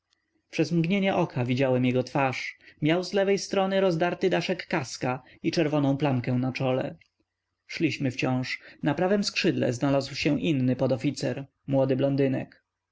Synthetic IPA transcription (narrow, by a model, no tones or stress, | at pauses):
pʂɛzmɡɲeɲɛʔɔkʰavʲid͡ʑawɛmjɛɡɔt̪faʂmʲjawzlɛvɛjst̪ɾɔnɘɾɔzd̪aɾt̪ɘd̪aʂɛkːaska | it͡ʂɛɾvɔnɔ̃w̃plaŋkɛw̃nat͡ʂɔlɛ̰ | ʂlʲiɕmɘft͡ɕɔ̃w̃ʂnapɾavɛmskʂɘd̪lɛ̰znalazwɕɛʔinːɘpɔd̪ɔfʲit̪sɛɾ | mwɔd̪ɘblɔnd̪ɘnɛ̰k